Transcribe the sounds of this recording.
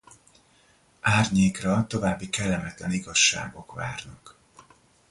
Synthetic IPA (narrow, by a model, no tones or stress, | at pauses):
aːrɲeːkrɒt̪o̞vaːbːikɛlːɛmɛt̪lɛniɡɒʃːa̰ːɡo̞kva̰ːrnɒk